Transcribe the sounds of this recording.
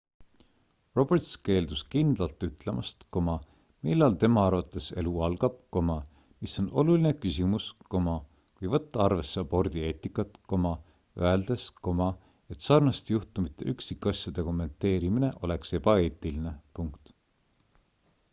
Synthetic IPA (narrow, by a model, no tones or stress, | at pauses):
ro̞b̥ert̪ske̞ːld̪uskind̪̥lɑlt̪ːˑyt̪ˑle̞mʔɑst̪ko̞mɑ | milːɑlt̪e̞mɑɑrvɑt̪ːˑese̞̰luɑlɡ̥ɑb̥̚ko̞mɑ | miso̞no̞̰lulinekysimusko̞mɑ | kujvɤt̪ːɑɑrve̞sːeɑbo̞rd̪̥ie̞ːt̪ːˑikːˑɑt̪ˑko̞mɑ | ø̰eld̪̥e̞sko̞mɑ | e̞t̪ːsɑrnɑst̪ejuht̪umit̪ːˑeʔyksikːˑɑsʲjud̪̥e̞ko̞mːe̞nt̪ːe̞ːɾimine̞ʔo̞̰le̞kse̞bɑe̞ːt̪ˑiline̞puŋkt̪